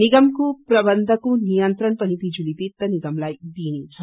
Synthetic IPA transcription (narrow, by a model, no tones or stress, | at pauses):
niɡɐmkupɾɐbɐnd̪ʱɐkunijɐnt̪ɾɐnpɐnipid͡ʒulit̪it̪ːɐniɡɐmlɐjd̪iːni